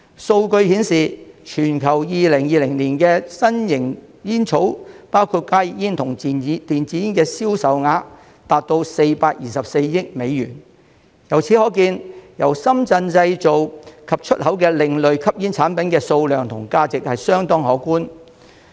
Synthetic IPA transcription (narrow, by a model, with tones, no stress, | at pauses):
so˧wkɵ˧ɥhi˨˥nsiː˨t͡ʃʰyː˨˩nkʰɐ˨˩wjiː˨˧lɪ˨˩ŋjiː˧lɪ˨˩ŋliː˨˩nkɛː˧sɐ˥njɪ˨˩ŋjiː˥nt͡ʃʰo˨˥wpaː˥wkʰuː˧t̚kaː˥jɪ˨k̚jiː˥nt̪ʰʊ˨˩ŋ˨˥t̪iː˨nt͡siː˨˥jiː˥nkɛː˧siː˥wsɐ˨wŋaː˨˧˥ | t̪aː˨t̚t̪o˧wse˧jpaː˧k̚jiː˨sɐ˨p̚se˧jjɪ˥k̚me˨˧jɥyː˨˩n | jɐ˨˩wt͡sʰi˨˥hɔː˨˥kiː˧njɐ˨˩wsɐ˥mt͡sɐ˧nt͡sɐ˧jt͡so˨wkʰɐ˨p̚t͡ʃʰɵ˥t̚hɐ˨˥wkɛː˧lɪ˨ŋlɵ˨ɥkʰɐ˥p̚jiː˥nt͡sʰaː˨˥npɐ˨˦nkɛː˧so˧wlœː˨ŋt̪ʰʊ̰˨˩ŋkaː˧t͡sɪ˨k̚hɐ˨jsœː˥ŋt̪ɔː˥ŋhɔː˨˥kuː˥n